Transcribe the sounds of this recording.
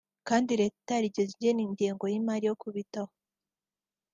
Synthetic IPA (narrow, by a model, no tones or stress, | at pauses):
kaːndiɾe̞ːtaɾiɟezieniːɲɟiːŋɡo̞jimaɾijo̞kʰuβitaho